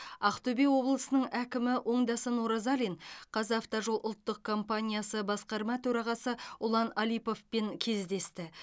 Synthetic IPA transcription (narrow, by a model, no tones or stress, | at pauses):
ɑqt̪ɵbewo̞blˠəsənəɴækʲɪmɪwʔo̞ɴd̪ɑsənoɾɑzɑlʲinqʰɑzaft̪oʒo̞lˠʔʊlˠt̪ːəq̚kʰo̞mpanʲijasəbɑsqɑɾmɑt̪ʰɵɾɑʁɑsəʊlˠɑnɑlijpo̞fpeŋkʲʰe̞zd̪e̞st̪ɪ